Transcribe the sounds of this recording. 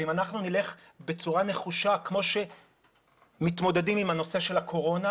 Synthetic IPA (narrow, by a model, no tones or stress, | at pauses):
imanaχnunile̞χ | be̞t͡suʁane̞χuʃakmo̞ʃe̞ | mit̪mo̞dedimimano̞se̞ʃe̞lakʰo̞ʁo̞na